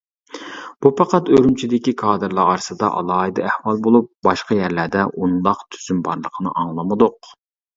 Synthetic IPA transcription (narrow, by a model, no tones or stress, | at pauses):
b̥upʰɑqɑt̪øɾymt͡ʃʰid̪ɪkʲikʰɑːd̪ɨɾlˠɑɑɾsɨd̪ɑ̰ʔɑ̰lˠɑːid̪ɑæhwɑlˠbolˠup̚bɑʃqɑjæɾlæɾd̪ɛʔund̪ɑqt̪ʰy̥zymbɑɾlˠəqʰənɨ̰ʔɑŋlˠɨmɨd̪ʊq̚